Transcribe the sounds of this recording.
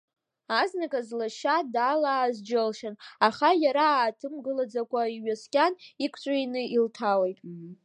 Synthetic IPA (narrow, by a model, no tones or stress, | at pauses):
aznakʼazlaʃadaːlaːzd͡ʒɪlʃanaχajaɾaːtʰɨmɡɨlad͡zakʷʼaiɥaskʲʼanikʷʰʼt͡ʃʷʼainɨiltʰawejtʼ